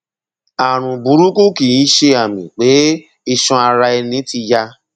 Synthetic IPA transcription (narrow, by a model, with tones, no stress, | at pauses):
a˨ɾ̃ũ˨bu˨˦ɾu˦ku˦ki˨i˦ʃe˧a˨mĩ˨k͡pe˨˦ | i˧ʃɔ̃˧a˧ɾa˧ɛ˧nĩ˨˦ti˧ja˧